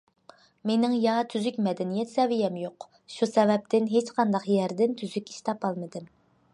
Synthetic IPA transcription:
menɪŋjɑt̪ʰyzykʲmɛd̪ɛnijɛt̪sɛvijɛmjoq | ʃusɛvɛp̚t̪ʰɪnɦet͡ʃqʰɑnd̪ɑqjæɾd̪ɪnt̪ʰyzykʲi̥ʃt̪ʰɑpɑlˠmɨd̪ɨm

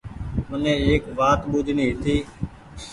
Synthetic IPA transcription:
mənẽːeːkʋaːt̪ɓuːd͡ʒ̪ʱnĩːɦɪt̪iː

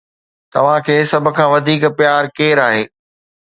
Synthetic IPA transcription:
t̪ɐʋ̤ãkʰeːsɐbʱʊ̆kʰãːʋɐd̪ʱiːkpjaːɾkeːɾaːɦeː

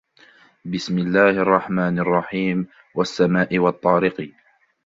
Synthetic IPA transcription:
bɪsmɪlːaːhʔɑrˤːɑħmaːnɑrˤːɑħiːm | wasːamaːʔɪwɑt̪ˤːɑːɾɪqiː

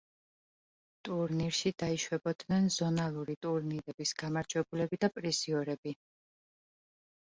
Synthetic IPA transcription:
t̪ʼuɾniɾʃid̪aiʃwɛbɔd̪nɛnzɔnalˠuɾit̪ʼuɾniɾɛb̥isɡ̥amaɾd͡ʒʼwɛbulɛbid̪apʼɾiziɔɾɛbi

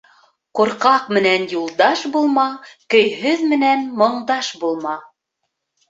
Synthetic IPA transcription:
quɾqɑqmɘ̆nænjulˠd̪ɑʃbulˠmɑkɵ̆jɦɵðmɘ̆nænmŏɴd̪ɑʃbulˠmɑ

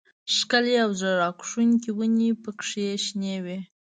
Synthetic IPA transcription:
ʃkəleawzəɾɑkʂunkiwənipəkʂeʃnewe

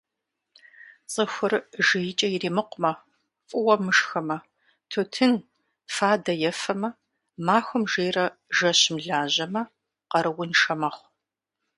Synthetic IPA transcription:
t͡sʼəxʷʊrʒɨjɪt͡ʃʼɐjɪriːmɨqʷʊmɐ | fʼɨwɐmɨʂxɐmɐ | tʰotʰɨn | faːdɐjɛfɐmɐ | maːxʷʊmʒeːrɐʒɐɕmɮaːʑɐmɐ | qɐɾɨwʊnʂɐmɐχʷ

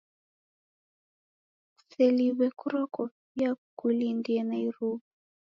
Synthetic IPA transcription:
sɛliβɛkuɾɔkɔ | jakulindiɛnaiɾub

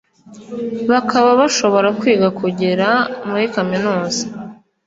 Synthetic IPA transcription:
βakʰaβaβaʃo̞βo̞ɾakwiːɡakuɟeɾamuɾikaminuːzḁ

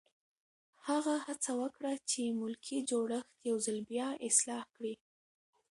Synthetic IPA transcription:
haɣahat͡sawəkɽat͡ʃemʊlkʰid͡ʒoɽəxt̪jawzalbjɑɪslɑhkɽi

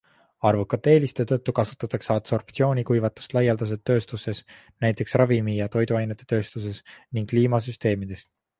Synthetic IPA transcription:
ɑrvukːˑɑt̪ːeːlist̪et̪ɤt̪ˑːukɑsu̥t̪ːˑɑt̪ːˑɑksɑpso̞rpt̪sio̞ːnʲikujvɑt̪ːˑu̥st̪lɑjɑld̪̥ɑs̬e̞t̪ːø̞ːst̪use̞s | næjt̪ːˑe̞ksrɑvimijɑt̪o̞jd̪uɑjnet̪ːˑe̞t̪ø̞ːst̪us̬e̞sniŋɡ̥kːliːmɑs̬yst̪e̞ːmid̪̥e̞s

